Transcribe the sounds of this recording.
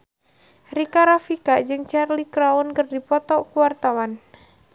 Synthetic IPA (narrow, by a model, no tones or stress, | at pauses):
rikaɾafikad͡ʒɨŋt͡ʃarlikɾaunkɨrdipɔt̪ɔkuwart̪awan